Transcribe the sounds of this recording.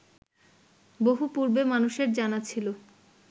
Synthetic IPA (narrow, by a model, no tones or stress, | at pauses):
boɦupuɾbemanuʃeɾd͡ʑanat͡ɕʰilo